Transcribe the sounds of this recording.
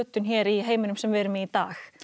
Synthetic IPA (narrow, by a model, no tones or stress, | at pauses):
œt̪ːʏnçɛːɾiɦeːjmʏnʏmsɛmvɛːɾʏmɪit̪aːx